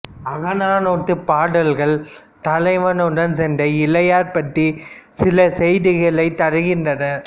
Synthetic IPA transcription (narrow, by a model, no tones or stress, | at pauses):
ɐɣɐnaːnoːʈːɯpaːɽɐlɣɐɭ | t̪ɐlɐɪʋɐnɔɾɐnsɛndɐɪlɐjaːɾpɐʈːisɪlɐsɛjðɪɣɐɭɐɪt̪ɐɾɯɣɪndrɐnɐ